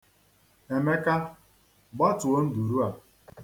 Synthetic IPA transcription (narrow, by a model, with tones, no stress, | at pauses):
e˨me˦ka˦ | ɡ͡bɔ˦tʊ˨o˦n̩˦du˨ɾu˦a˨